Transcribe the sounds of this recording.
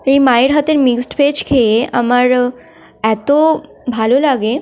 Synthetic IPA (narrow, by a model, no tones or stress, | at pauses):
imajɽɦat̪eɾmiksʈpet͡ɕkʰea̰məɾ | ɛt̪o | bʱalulaɡe